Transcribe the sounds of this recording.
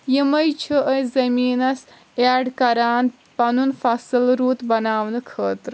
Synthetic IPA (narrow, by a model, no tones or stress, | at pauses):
jimɐjt͡ʃʰiʔəjzɐmiːnɐs | aɖkɐɾaːn | pɐnunfʰasɨlɾuːt̪bɐnaːʋnɨkʰəːt̪ɾ